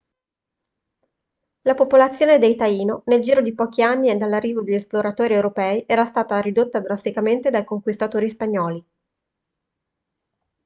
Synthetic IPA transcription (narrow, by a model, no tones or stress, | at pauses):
lapopolat̪sːjoːned̪ejt̪aiːnoneld͡ʒiːɾod̪ipɔːk̟ianːied̪ːalːarːiːvod̪eʎːesploɾat̪ɔːɾiewɾopɛːiʔɛːɾast̪aːt̪aɾid̪ot̪ːad̪ɾast̪ikament̪ed̪ajkoŋkwist̪at̪oːɾispaɲːɔːli